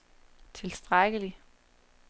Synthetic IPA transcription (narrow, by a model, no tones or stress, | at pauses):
t͡sʰe̝lsd̥ʁaɡ̥əli